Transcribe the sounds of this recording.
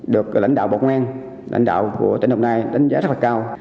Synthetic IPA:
ɗɨ˨˩ək̚la̰˧˩jŋ̟ɗa̰ː˧˨wɓa̰˨˧˨ŋwaː˧n | la̰˧˩jŋ̟ɗa̰ː˧˨wkṵ˧˩ət̪i˨˧˩nho˧wŋ͡mnaː˧jɗa˨˦jŋ̟zaː˦zə˦˥la˨˩kaː˧w

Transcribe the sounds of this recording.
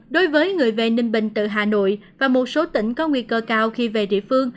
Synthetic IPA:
ɗo˨˦jvəː˨˦jŋɨ˨˩əjve˨˩ni˧ŋɓï˧˨˩ŋ̟t̪ɨ̰˧˨ɦaː˨˩no̰˧˨jvaː˨˩mo˨˩t̚so˨˦t̪ḭ˧˥ŋ̟kɔ˨˦ŋwḭ˧˨əkəː˧kaː˧wxi˧ve˨˩ɗḭ˧˨əfɨ˧əŋ

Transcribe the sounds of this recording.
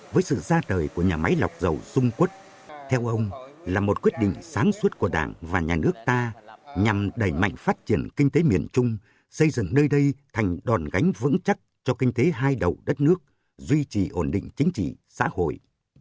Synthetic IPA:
vəː˨˦jsɨ̰˧˨zaː˧təː˨˩jku˧˩əɲaː˨˩ma˨˦jla˨˩wk͡p̚zə˨˩wzʊ˧ŋ͡mkwə˦˥t̚ | t̪ʰɛ˧wʔə˧wŋ͡mlaː˨˩mo˨˩t̚kwi˦˥ət̚ɗḭ̈˧˨ŋ̟saː˨˦ŋswt̚ku˧˩əɗa̰ː˧˩ŋvaː˨˩ɲaː˨˩nɨ˦˥ək̚t̪aː˧ɲa˨˩mɗə˨˧˩jma̰˧˨jŋ̟faː˦˥t̚t͡ɕi˧˩ənkï˧ŋ̟t̪e˨˦mi˨˩ənt͡ɕʊ˧ŋ͡m | sə˧jzɨ̰˧˨ŋnəː˧jɗə˧jt̪ʰa˨˩jŋ̟ɗɔ˨˩nɣa˨˦jŋ̟vɨ̰˧˥ŋt͡ɕa˦˥t̚t͡ɕɔ˧kï˧ŋ̟t̪e˨˦ɦaː˧jɗə˨˩wɗə˦˥t̚nɨ˦˥ək̚ | zwi˧t͡ɕi˨˩ʔo˧˩nɗḭ˧˨ŋ̟t͡ɕï˨˦ŋ̟t͡ɕḭ˧˨sa̰ː˧˥ho̰˧˨j

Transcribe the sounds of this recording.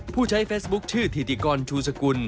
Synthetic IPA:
pʰuː˥˩t͡ɕʰa˦˥jfeː˦˥sbu˦˥k̚t͡ɕʰɯː˥˩t̪ʰi˨˩t̪iː˧˩kɔː˧nt͡ɕʰuː˧sa˧ku˧n

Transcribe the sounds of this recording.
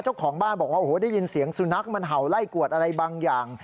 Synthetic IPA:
t͡ɕa˥˩wkʰɔː˩˦ŋbaː˥˩nbɔː˨˩k̚waː˥˩ʔhoː˨˦daː˥˩jːi˧nsi˩˦əŋsu˧na˦˥k̚ma˧nɦa˨˩wla˥˩jku˨˩ət̪̚ʔa˧ɾa˧jbaː˧ŋjaː˨˩ŋ

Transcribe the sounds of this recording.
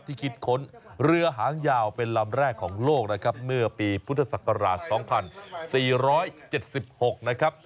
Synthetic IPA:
t̪ʰiː˥˩kʰi˦˥t̪̚kʰo˦˥nɾɯ˧ɐɦaː˩˦ŋjaː˧wpe˧nla˧mɾɛː˥˩kʰːɔː˩˦ŋloː˥˩k̚na˦˥kʰa˦˥p̚mɯ˥˩ɐpiː˧pʰu˦˥t̪ʰːa˧sa˨˩ka˧ɾa̰ː˨˩t̪̚sɔː˩˦ŋpʰa˧nsiː˨˩ɾɔː˦˥jt͡ɕe˨˩t̪̚si˨˩p̚ho˨˩k̚na˦˥kʰa˦˥p̚

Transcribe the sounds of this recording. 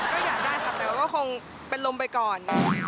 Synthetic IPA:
kɔː˥˩jaː˨˩k̚daː˥˩jxʰa˧˥˩t̪ɛː˨˩wa˦˩kɔː˥˩kʰo˧ŋ | pe˧nlo˧mpa˧jkɔː˨˩n

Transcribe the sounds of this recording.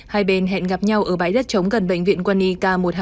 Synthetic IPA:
haː˧jɓe˧nɦɛ̰˧˨nɣa˨˩p̚ɲa˧wʔəː˧˩ɓaː˨˦jzə˦˥t̚t͡ɕə˨˦wŋ͡mɣə˨˩nɓə̰˧˨jŋ̟vḭ˧˨ənkwa˧nːi˧kaː˧mo˨˩t̚h

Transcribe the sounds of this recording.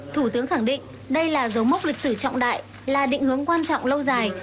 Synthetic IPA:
t̪ʰu˧˩t̪ɨ˨˦əŋxa˧˩ŋɗḭ̈˧˨ŋ̟ | ɗə˧jlaː˨˩zə˨˦wmə˦˥k͡p̚lï˨˩k̚sɨ˧˩t͡ɕɔ̰˧˨wŋ͡mɗa̰ː˧˨j | laː˨˩ɗḭ̈˧˨ŋ̟hɨ˨˦əŋkwaː˧nt͡ɕɔ̰˧˨wŋ͡mlə˧wzaː˨˩j

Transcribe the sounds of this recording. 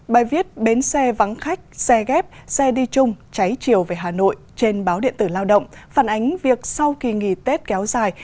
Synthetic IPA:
ɓaː˨˩jvi˦˥ət̚ɓe˨˦nsɛ˧va˨˦nxa˦˥jk̟̚sɛ˧ɣɛ˦˥p̚sɛ˧ɗi˧t͡ɕʊ˧ŋ͡mt͡ɕa˨˦jt͡ɕi˨˩əwveː˨˩ɦaː˨˩no̰˧˨jt͡ɕe˧nɓaː˨˦wɗḭ˧˨ənt̪ɨ˧˩laː˧wɗə̰˧˨wŋ͡mfaː˧˩nʔa˨˦jŋ̟vi˨˩ək̚sa˧wki˨˩ŋḭ˧˩t̪e˦˥t̚kɛ˨˦wzaː˨˩j

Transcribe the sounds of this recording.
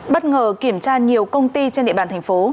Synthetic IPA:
ɓə˦˥t̚ŋəː˨˩ki˧˩əmt͡ɕaː˧ɲi˨˩əwkə˧wŋ͡mt̪i˧t͡ɕe˧nɗ̰ɓaː˧˨t̪ʰŋfo˨˦

